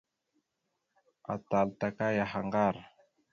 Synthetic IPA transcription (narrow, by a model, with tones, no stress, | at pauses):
a̰˨ta˨lta˨ka˦ja˨xa˨ŋɡa˦˨ɾ